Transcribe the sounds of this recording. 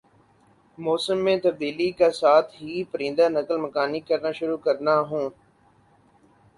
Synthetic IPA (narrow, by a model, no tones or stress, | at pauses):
mɔːsəmːẽːt̪ɐbd̪iːlikasaːt̪ʰɦiːpəɾĩːnd̪anəkəlməkaːnikɐɾnaʃʊɾuːkɐɾnaɦũː